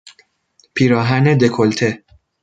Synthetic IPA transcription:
pʰiːɾɒːɦæned̪e̞kʰolt̪ʰe

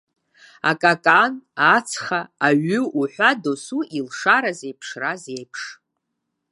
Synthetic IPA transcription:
a̰kʼakʼanat͡sʰχaːɥʏuħʷadosuilʂaɾaze̞jpʰʂrazejpʰʂ

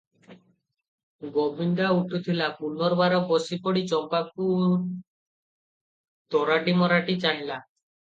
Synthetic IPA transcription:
ɡobʱind̪auʈʰut̪ʰilapunɔɾbaɾɔbɔsipɔɽit͡ʃɔmpak̚u | t̪ɔɾaɖimɔɾaʈit͡ʃaɳla

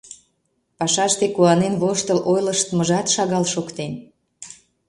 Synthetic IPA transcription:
pɑʃɑʃt̪ekuɑnenβoʃt̪əlʔojlə̆ʃt̪əməʒɑt̪ʃɑɣɑlʃokt̪en

